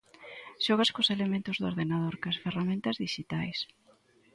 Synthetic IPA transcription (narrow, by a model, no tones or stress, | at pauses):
ʃɔɣ̞ɐskoselemẽnt̪ʊzðoɾðenaðoɾkɐsferamẽnt̪ɐzðiʃit̪ajs